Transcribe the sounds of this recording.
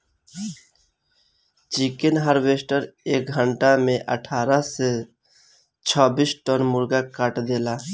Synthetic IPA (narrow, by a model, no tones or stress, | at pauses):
t͡ʃikenɦəɾʋeːsʈəɾeːk̚ɡʱəɳʈamẽʔə̰ʈʰaːɾase | t͡ʃʰɔːbisʈɔnmʊɾɡakəʈd̪eːlaː